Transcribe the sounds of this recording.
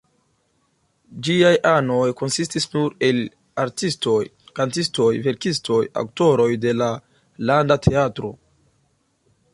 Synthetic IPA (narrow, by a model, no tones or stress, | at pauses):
d͡ʒiajʔano̞jko̞nsistisnuɾe̞l | aɾtisto̞jkantisto̞jve̞ɾkistʰo̞ja̰kto̞ɾo̞jde̞la | landatʰeatɾo̞̰